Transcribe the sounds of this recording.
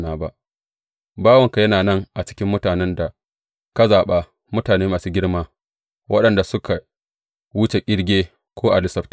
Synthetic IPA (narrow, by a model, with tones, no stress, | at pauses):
naː˨ba̰˦ʔ | baː˦wɐ˨ŋka˨jɐ˦naː˨nɐ˦ŋʔa˨t͡ʃɪ̥˦kʲɪ˦mːʊ˦taː˨nɛ˦nda˨ | ka˦zaː˨ɓa˦ | mʊ˦taː˨neː˦maː˨suː˦ɡʲɪ˦ɽmaː˦ | wʔɐ˦ɗɐ˨nda˨sʊ˦kʰa˨ | wʊ˦t͡ʃe˨kʲʼɪ˦ɽɡʲeː˦ | kʷoː˦ʔa˨lɪ˦sɐ˦ɸt